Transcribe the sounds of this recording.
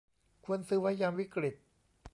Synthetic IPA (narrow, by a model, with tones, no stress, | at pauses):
kʰu˧ənsɯː˦˥wa˦˥jjaː˧mwi˦˥kɾi˨˩t̪̚